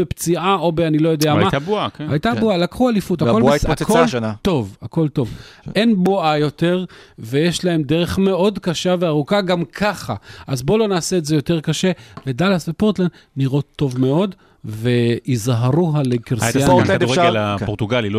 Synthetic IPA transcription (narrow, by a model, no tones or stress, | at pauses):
bept͡siʔaʔo̞beanilo̞jodejamamatabuakajt̪abualakχualifut̪akolakolʃnat̪o̞vako̞lto̞ve̞nbuajo̞te̞ʁve̞jeʃlae̞mdeʁe̞χme̞o̞dkaʃaveaʁukaɡamkʰaχa̰ʔazbo̞lo̞naːseetzejo̞te̞ʁkaʃe̞vedalasvepoʁt̪lan | niʁo̞t̪ːo̞vme̞o̞d | ve̞izɦaʁuɦalekiʁsiald̪uʁeelapot̪uɡalilo